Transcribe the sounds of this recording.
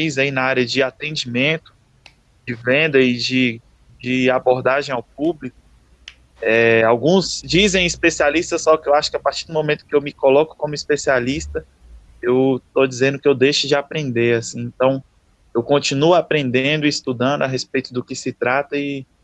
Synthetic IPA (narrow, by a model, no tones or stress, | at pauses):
ijzɐinɐaɾjɐd͡ʒɪat̪ẽd͡ʒimẽnt̪ʊ̥ | d͡ʒɪvẽnd̪ɐid͡ʒɪ | d͡ʒɪaboɾd̪aʒẽj̃awp̚ublik̚ʊ | ɛawɡũzd͡ʒizẽj̃ispesialist̪ɐsːɔkɪewaʃʊ̥kɪapaɾt͡ʃiɾd̪ʊ̃mõmẽnt̪ʊ̥kɪewmɪkolɔkʊ̥kõmʊispesialist̪ɐ | ewt̪od͡ʒizẽnd̪ʊkɪewd̪ejʃʊd͡ʒɪapɾẽnd̪eɾasĩẽnt̪ɐ̃w̃ | ewkõt͡ʃinuapɾẽnd̪eẽnd̪ʊist̪ud̪ɐ̃nd̪ʊaɦespejt̪ʊd̪ʊkɪsɪt̪ɾat̪ɐɪ